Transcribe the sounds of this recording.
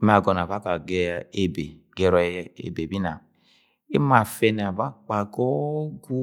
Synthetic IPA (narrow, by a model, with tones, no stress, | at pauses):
m˦a˨ɡɔ˨na˨ba˦ka˨ɡɛ˨e˨be˨ | ɡɛ˨ɾɔ˨ḛ˨be˨bi˦na˨ | i˦ma˨fɛ˨n˨a˨ba˦k͡pa˨ɡɔ˦ɡu˦